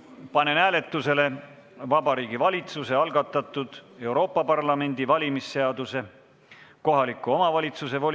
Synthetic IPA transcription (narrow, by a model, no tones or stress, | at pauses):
pɑne̞næːle̞t̪ːˑuse̞le̞ | vɑbɑɾiːɡivɑlʲit̪suse̞ɑlɡ̥ɑt̪ːˑɑt̪ːˑud̪̥e̞wɾo̞ːpːˑɑpɑrlɑme̞nʲd̪̥ivɑlʲimisːe̞ɑd̪̥use̞ | ko̞ɦɑlikːˑuo̞mɑvɑlʲit̪suse̞vo̞